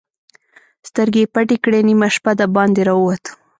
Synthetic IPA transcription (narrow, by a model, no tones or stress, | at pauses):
st̪əɾɡepaʈikɽenimaʃpad̪abɑnd̪eɾɑəwat̪ə̥